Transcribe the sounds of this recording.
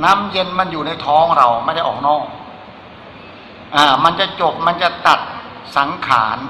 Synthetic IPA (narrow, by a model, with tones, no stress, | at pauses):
na˦˥mje˧nma˧njuː˨˩na˧jt̪ʰɔː˦˥ŋɾa˧wma˥˩jda˥˩jʔɔː˨˩k̚nɔː˥˩k̚ | ʔaː˧˩ma˧nt͡ɕa˨˩t͡ɕo˨˩p̚ma˧nt͡ɕa˨˩t̪a˨˩t̪̚ | sa˩˦ŋkʰa̰ː˩˦n